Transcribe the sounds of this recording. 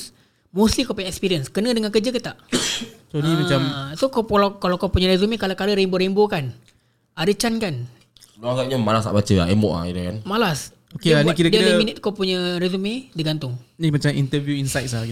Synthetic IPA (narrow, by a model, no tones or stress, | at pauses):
s | moslikopuɲaɛkspiɾiənskənə̃dəŋankəd͡ʒəkət̪aʔsonimat͡ʃamsokoalakalawkapuɲãɾezumẽkalakaləɾemboɾembokan | ʔadət͡ʃankan | luaɡaʔɲamalasa̰ʔbat͡ʃəa̰emɔ̰ʔa̰ḭdəkanmalas | okeanikiɾədiɾəaminɪt̪̚kawpuɲərezumẽdiɡant̪ʊŋnimat͡ʃamint̪əvjuinsajt̪̚saɡi